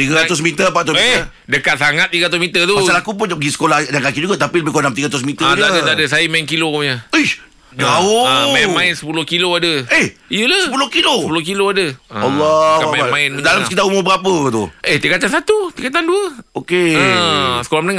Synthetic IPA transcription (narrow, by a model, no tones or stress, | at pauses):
t̪iɡaɾaʊs̬mit̪əpat̪ʊsmieə | dəkat̪̚saŋat̪̚ːiɡaat̪̬ʊsmit̪ət̪umasalakup̬ʊnd͡ʒapəɡisə̥kolahdankakiʔd͡ʒuɡat̪apiləbɪhkonamt̪iɡaat̪ʊs̬mit̪əd͡ʒ̪adat̪adəsajimainkilokomɲaəh | d͡ʒaoamãɪnsə̥pulʊhkiloadəehijulaəp̬ulʊhkiloəpulʊhkiloadəwalːɔamaamaɪndalamsə̥kit̪aumʊbəɾapət̪ueht̪ikat̪ansat̪ut̪ikat̪̬anduəokeəsəkolahmənəŋa